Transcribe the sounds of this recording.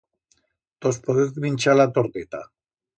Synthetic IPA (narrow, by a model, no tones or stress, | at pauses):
t̪ospoðeθβint͡ʃalat̪oɾt̪et̪a̰